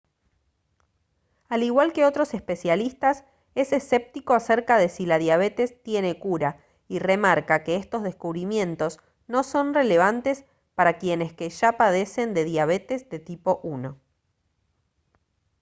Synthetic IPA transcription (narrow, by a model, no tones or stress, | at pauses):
aliɣwalke̞o̞t̪ɾo̞se̞spe̞sjalist̪as | e̞sese̞p̚t̪iko̞aseɾkaðe̞silaðjaβ̞e̞t̪e̞st̪je̞ne̞kuɾa | ire̞maɾkake̞est̪o̞zðe̞skuβɾimjẽ̞nt̪o̞s | no̞so̞nre̞le̞β̞ant̪es | paɾakje̞ne̞skeʒapaðe̞se̞nd̪e̞ðjaβ̞e̞t̪e̞zðe̞t̪ipo̞ʔuno̞